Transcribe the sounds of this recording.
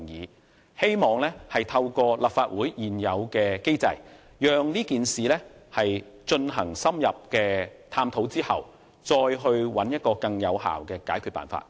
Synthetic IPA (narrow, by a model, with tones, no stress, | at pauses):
ŋjiː˨ | he˥jmɔː˨ŋlɛː˥hɐ˨jt̪ʰɐ˧wkɔː˧la˨p̚faː˧t̚wuː˨˥jjiː˨˩njɐ˨˧wkɛː˧ke˥jt͡sɐ̰˧j | jœː˨ŋniː˥kiː˨nsiː˨lɛː˥hɐ˨jt͡ʃɵ˧nɦɐ̰˨˩ŋsɐ˥mjɐ˨p̚kɛː˧t̪ʰaː˧mt̪ʰo˨˥wt͡siː˥hɐ̰˨w | t͡ʃt͡sɔː˧jɦɵ˧ɥwɐ˨˥njɐ˥t̚kɔː˧kɐ˧ŋjɐ̰˨˧wɦa̰ː˨˩wkɛː˧kaː˨˥jkʰyː˨˧t̚pa̰ː˨nfa̰ː˧˥t̚